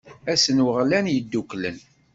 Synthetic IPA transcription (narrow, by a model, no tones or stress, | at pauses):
æsənwəʁlænjəd̪ːuklə̰n